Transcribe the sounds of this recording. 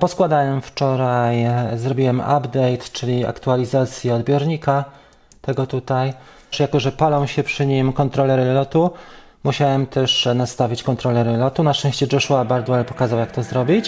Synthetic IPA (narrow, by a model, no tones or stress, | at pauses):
pɔskwad̪awɛmft͡ʂɔɾajzɾɔbʲiwɛma̰bd̪ɛjt̪t͡ʂɘlʲia̰kt̪ualʲizat̪sʲjiɔd̪bʲjɔɾɲika | t̪ɛɡɔt̪ut̪aj | ʂjakɔʐɛpalɔ̃w̃ɕɛpʂɘɲimkɔnt̪ɾɔlɛɾɘlɔt̪u | muɕawɛmt̪ɛʂnast̪avʲit͡ɕkɔnt̪ɾɔlɛɾɘlɔt̪unaɛ̃ɕt͡ɕɛd͡ʐɛʂuabaɾd̪wɛlpɔkazawjak̚t̪ɔzɾɔbʲit͡ɕ